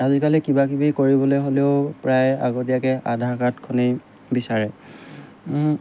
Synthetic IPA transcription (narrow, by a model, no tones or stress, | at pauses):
azikalikibakibikoɹibɔlojɦoleʊpɹajaɡotijakɛʔadʱakatkʰone | bisaɹɛ